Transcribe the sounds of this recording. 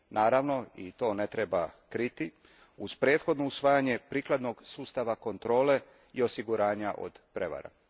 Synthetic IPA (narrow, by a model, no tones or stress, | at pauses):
naːɾaʋno̞it̪o̞ːne̞t̪ɾebakɾit̪i | uz̥pɾeːt̪xo̞d̪no̞usʋaːjaɲe̞pɾiːklˠad̪no̞ɡsuːst̪aʋako̞nt̪ɾo̞ːle̞ | io̞siɡuɾaːɲaʔo̰d̪̥pɾe̞ʋa̰ɾa̰